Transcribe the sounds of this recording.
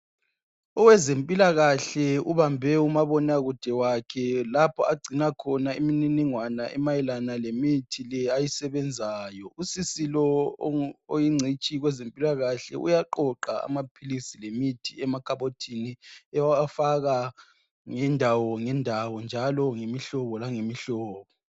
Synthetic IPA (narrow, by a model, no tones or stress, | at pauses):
ɔwɛzempʼilaɣaɬɛuβambʱɛumaβɔnaɣud̥ʱɛwakʰɛlapʰɔaɡ͡ǀʱinakʰɔnaimininiŋwanaʔɛmajɛlanalemitʰilɛajisɛβɛnd͡zʱaːjɔusisilɔ | ojiŋ͡ǀʱit͡ʃʼiɣwɛzempʼilaɣaɬɛ̰ʔṵjaǃɔǃaa̰mapʰilisilemitʰiɛmakʰaβotʰiniɛwafaɣa | ŋɛndʱawɔŋɛndʱawɔnd͡ʒʱalɔŋemiɬɔβɔlaŋemiɬɔːβɔ